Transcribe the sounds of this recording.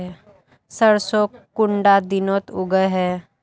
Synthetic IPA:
səɾsokʊɳɖad̪ɪnoːt̪ʊɡəɦɛː

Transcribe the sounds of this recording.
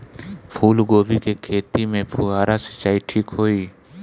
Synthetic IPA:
pʰuːlɡoːbikekʰeːt̪imẽpʰʊaːɾasə̥t͡ʃaːiʈʰiːkɦoːiː

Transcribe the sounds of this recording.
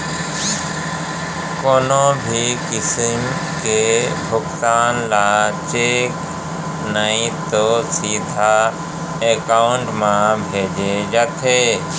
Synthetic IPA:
koːnõbʱikɪsəm | kebʱʊkt̪aːnlat͡ʃeːk | nəĩt̪osiːd̪ʱa | ekaːʊɳʈmãbʱeːd͡ʒed͡ʒat̪ʰeː

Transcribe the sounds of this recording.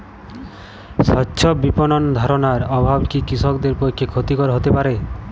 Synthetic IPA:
sɔtːʰɔbipɔnɔnd̪ʱaɾɔnaɾɔbʱabkikisɔkd̪eɾpojkʰːekʰot̪ikɔɾɦot̪epaɾe

